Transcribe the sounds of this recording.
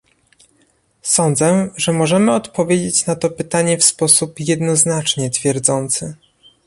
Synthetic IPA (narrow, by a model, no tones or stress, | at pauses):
sɔnd̪zɛʐɛmɔʐɛmɘɔt̪pɔvʲjed͡ʑet͡ɕnat̪ɔpɘt̪aɲɛfspɔsupjɛd̪nɔznat͡ʂɲɛt̪fʲjɛɾd̪zɔnt̪sɘ